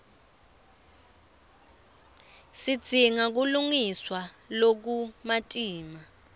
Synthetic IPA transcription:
sid̥z̥ʱiŋak̬uluŋiswa | lok̬umatʼiːma

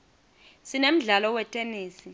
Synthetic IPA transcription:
sinem̩ɮalɔwɛtʼeniːsi

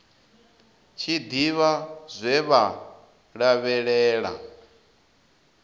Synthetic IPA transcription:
t͡ʃʰid̪iβazʷɛβa | ɺaβɛɺɛːɺa̰

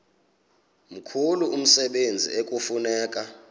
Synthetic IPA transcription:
m̩kʰuluum̩sɛɓend͡zʱḭʔekʼufunɛːkʼa

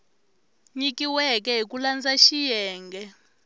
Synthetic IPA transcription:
ɲikiwɛk̬ɛɦik̬ʼuland͡zaʃijɛːŋɡʱɛ

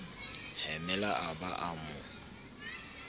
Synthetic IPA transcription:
hɛmɛlaʔaba̰ʔamʊ

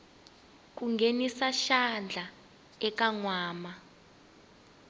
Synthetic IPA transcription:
k̬uŋɡʱenisaʃand͡ɮʱa | ɛk̬aŋwaːma

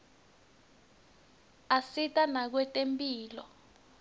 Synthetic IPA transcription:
asitʼanak̬wɛtʼempʼiːlɔ

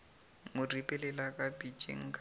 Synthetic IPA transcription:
mʊripʼɛlɛlakʼapʼid͡ʒʼḛŋ̩kʼ

